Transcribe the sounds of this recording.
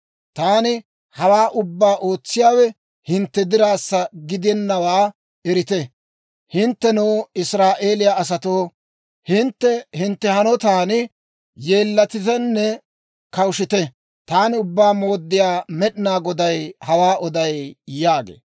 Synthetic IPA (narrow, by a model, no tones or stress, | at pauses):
t̪aːnɪ | hɐwaːʔʊbːaːʔo̞ːt͡sːɪjaːwɛ | hɪnt̪ːɛd̪ɪɾaːsːɐɡɪd̪ɪɛnːɐwaː | ɛɾɪt̪ɛ | hɪnt̪ːɛnoːɪsɾaːʔe̞ːlɪjaɐs̬ɐt̪oː | hɪnt̪ːɛhɪnt̪ːɛhɐnɔt̪aːnɪ | jeːlːɐt̪ɪt̪ɛnːɛ | kɐwʃɪt̪ɛ | t̪aːnɪʊbːaːmo̞ːd̪ːɪjaːmɛɗɪnaːɡɔd̪ɐjhɐwaːʔɔd̪ɐjjaːɡḛː